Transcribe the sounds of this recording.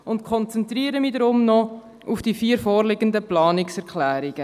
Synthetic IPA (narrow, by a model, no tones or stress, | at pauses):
ʊntkʰɔnt͡sɛnt̪ɾiːəɾəmidɾʊmnɔ | ufd̥ifiːəɾfoːrlɪɡəndəplɑːnɪksɛɾkχlæːɾɪɡ̥ə